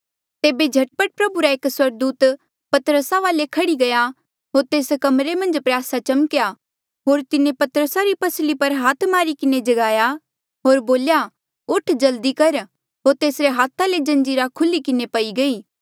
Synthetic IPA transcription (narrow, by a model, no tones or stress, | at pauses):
t̪eːbed͡ʒʱɐʈ̚pəʈ̚pɾɐbuɾaeːkswɐɾɡ̚d̪uːt̪ | pɐt̪əɾəsaʋaːlekʰɐɽiɡɐja | ɦoːɾt̪eːskɐmɾemɐ̃nd͡ʒpɾɪjaːsat͡ʃɐmkja | ɦoːɾt̪ɪnepɐt̪əɾəsaɾipɐslipɐɾɦaːt̪ʰmaːɾikɪned͡ʒɐɡaːja | ɦoːɾboːlja | ʊʈʰd͡ʒɐld̪ikɐɾ | ɦoːɾt̪eːsɾeɦaːt̪ʰaled͡ʒɐ̃nd͡ʒiːɾakʰʊlikɪnepɐiɡɐiː